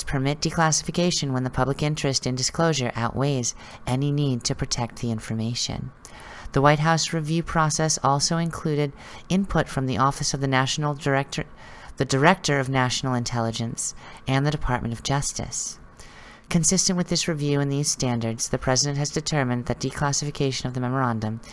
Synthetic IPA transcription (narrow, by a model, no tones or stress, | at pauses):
pʰə˞mɪt̚d̥ɨkʰl̥æsəfɨkʰeɪʃɨ̃nwə̃nðɨpʰʌblɨkɪ̃nt͡ʃɹ̥ɨstɨ̃ndɨskl̥oʊʒə˞ʔa̰ʊʔweɪz | ʔɛninid̚tʰɨpʰɹ̥ɨtʰɛk̚t̪̚ðiɪ̃ɱfə˞meɪʃɨ̰̃n | ðəwaɪt̚ɦaʊsɹivjʉpʰɹ̥ɔsɛsɔlˠsoʊɨ̃nkʰl̥ʉɾɨɾ | ɪ̃npʰʊtfɹʌ̃mðiʔɔfɨsʌvðɨæʃnl̩̚ˠ | ðɨdə˞ɛk̚tə˞ʌvnæʃn̩l̩ˠɨ̃ntʰɛlˠəd͡ʒɨ̃nsɨ̃nðɨɾɨpʰɑɹʔ̚mʔɨ̃ñʌvd͡ʒʌstɨ̰s | kʰɨ̃nsɪstɨ̃nʔwɨðɪsɹɨvjʉɨ̃nðiz̥stæ̃ndə˞dz̥ðɨpʰɹ̥ɛzɨɾɨ̃nʔ̚ɦɨzdɨtʰɜ˞mɨ̃nðɨt̚d̥ikʰl̥æsɨfɨkʰeɪʃɨ̃nʌvðɨmɛmə˞æ̃ndɨ̃m